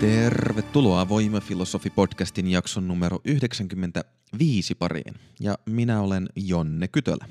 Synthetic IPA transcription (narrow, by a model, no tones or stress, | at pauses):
t̪erʋe̞t̪ːuloɑʋo̞jmːɑfilosofipo̞d̥kæst̪injɑksonːumeɾoʔyhde̞ksæŋkymːent̪æ | ʋiːsipɑɾḭḛn | jɑ̰minæo̞le̞njo̞nːekyt̪ø̰læ̰